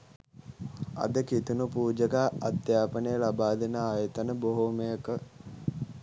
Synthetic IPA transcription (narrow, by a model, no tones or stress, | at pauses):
a̰d̪əkit̪unupuːd͡ʒəkaːad̪jaːpənəjəlabaːd̪enəajət̪ənəboɦomejəkə